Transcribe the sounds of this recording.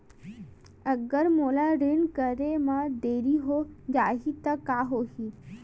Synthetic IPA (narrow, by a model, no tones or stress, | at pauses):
əɡəɾmolaɾenkəɾemad̪eɾiɦod͡ʒaɦit̪əkːaɦoɦi